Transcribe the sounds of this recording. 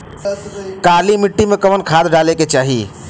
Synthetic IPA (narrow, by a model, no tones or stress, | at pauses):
kalimiʈːimekəʋənkʰad̪ɖaleket͡ʃaɦi